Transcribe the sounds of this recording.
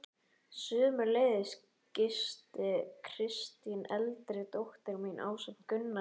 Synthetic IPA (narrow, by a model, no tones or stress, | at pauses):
sʏðmʏleːjðɪs | cɪst̪ɪkʰɾ̥ɪst̪inɛlt̪ɾɪt̪owht̪ɛɣminʔa̰ːwsɛ̥n̥kʏnːa